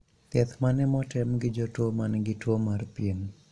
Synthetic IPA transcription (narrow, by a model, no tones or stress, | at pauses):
t̪jɛt̪manɛmɔtɛmɡɪd͡ʒɔtwomanɛɡɪtwomarpien